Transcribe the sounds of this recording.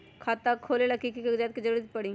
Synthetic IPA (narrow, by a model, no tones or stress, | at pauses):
kʰaːt̪akʰːoːleləkikikekd͡ʒat̪̚kizəɾuːɾət̪pəɽĩː